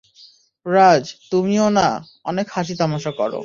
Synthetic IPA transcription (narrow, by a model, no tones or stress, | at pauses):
ɾad͡ʑt̪umiona | ɔnekhaʃ̬it̪amaʃakɔɾo̰